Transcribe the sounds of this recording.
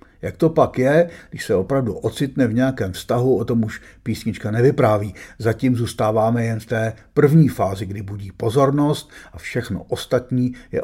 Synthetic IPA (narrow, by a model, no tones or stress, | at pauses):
jakt̪o̞pakjɛɡdɪʃsɛo̞pɾavduʔo̞t͡sɪt̪nɛvɲɛjakɛːmfst̪aɦuo̞t̪o̞muʃpiːsɲɪt͡ʃkanɛvɪpɾaːviːzaciːmzuːst̪aːvaːmɛjɛnft̪ɛːpr̩vɲiːfaːzɪɡdɪbuɟiːpo̞zo̞ɾno̞st̪ʔafʃɛxno̰ʔo̞st̪at̪ɲiːjɛ̰